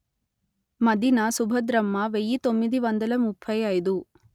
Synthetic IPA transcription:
mɐd̪inɐsubʱɐd̪ɾɐmːɐʋejit̪omːid̪iʋɐnd̪ɐlɐmupʰːɐjaːjid̪u

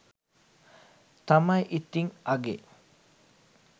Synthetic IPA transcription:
t̪ɐmɐjʔit̪ːiŋɐɡe

